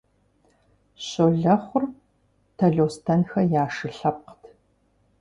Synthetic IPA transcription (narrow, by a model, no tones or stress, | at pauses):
ɕoːɮɐχʷʊr | tʰɐɮoːstʰɐnxɐjaːʂɨɬɐp̚qtʰ